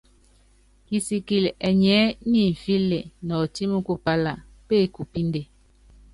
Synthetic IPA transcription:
ki˨si˨ki˨lɛ˨ɲɛ˨˦ɲi˦˨ɱ̩˨fi˦le˨nɔ˨ti˦mu˦ku˦pa˦la˨ | pe˦˨ku˨pi˦n˦de˨

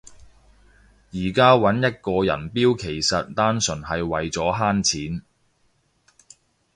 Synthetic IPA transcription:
jiː˨˩kaː˥wɐ˨˥njɐ˥t̚kɔː˧jɐ̰˨˩npiː˥wkʰe˨˩jsɐ˨t̚t̪aː˥nsɵ˨˩nɦɐ˨jwɐ˨jt͡sɔː˨˥ɦaː˥nt͡sʰiː˨˥n

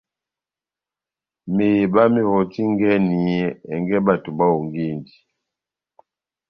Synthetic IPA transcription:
me˨ba˦mi˦hɔ˨ti˦ŋɡɛ˦ni˨ɛ˦˨ɛ˨ŋɡɛ˦ba˨tu˨ba˦o˨ŋɡi˦˨ndi˨

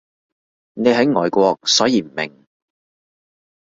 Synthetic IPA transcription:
ne˨˧jɦɐ˨˥jŋɔː˨jkʷɔː˧k̚sɔː˨˥jiː˨˧m̩˨˩mɪ̰˨˩ŋ

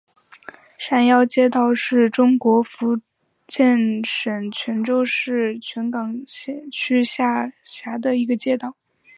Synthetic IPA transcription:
ɕa˥˩njɑ˥˧ʊt͡ɕjɛ˥t̪ɑ˥˧ʊʂɻ̩˥˩ʈ͡ʂʊ˥ŋkwɔ˧˥fu˧˥ | t͡ɕjɛ˥˩nʂə˨˩nt͡ɕʰɥɛ˧˥nʈ͡ʂo˥ʊʂɻ̩˥˩t͡ɕʰɥɛ˧˥nkɑ˨˩ŋɕɛ˥˧t͡ɕʰy˥ɕja˥˩ɕja˧˥d̪ə˧i˧˥ɡə˧t͡ɕjɛ˥t̪ɑ˥˩ʊ

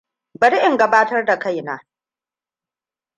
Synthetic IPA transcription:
bɐ˨ɽi˦ʔɪ˨ŋɡɐ˦baː˦tɐ˦rda˨ka˦jnaː˦

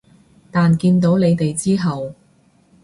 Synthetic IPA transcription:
t̪aː˨nkiː˧nt̪̬o˨˥wle˨˧jt̪e˨jt͡siː˥ɦɐ˨w

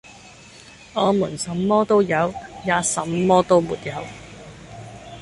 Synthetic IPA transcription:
ɔː˨˧muː˨˩nsɐ˨˥mːɔː˥t̪o˥wjɐ˨˧wjaː˨˧sɐ˨˥mːɔː˥t̪o˥wmuː˨t̚jɐ˨˧˥w

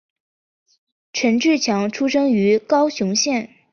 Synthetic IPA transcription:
ʈ͡ʂʰə˧˥nʈ͡ʂɻ̩˥˩t͡ɕʰjɑ˧˥ŋʈ͡ʂʰu˥ʂɤ˥ŋy˧˥kɑ˥ʊɕjʊ˧˥ŋɕjɛ˥˩n

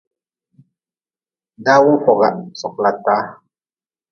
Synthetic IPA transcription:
na˦wu˦ɸo˨ɣa̰˨so˨klat̪a˦

